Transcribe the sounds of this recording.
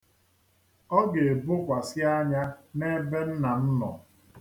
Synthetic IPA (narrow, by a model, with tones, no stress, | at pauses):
ɔ˦ɡe˨e˨bʊ˦kʷa˨sɪ˦a˦ɲa˦ne˦be˦n̩˦na˨n̩˦nɔ̰˨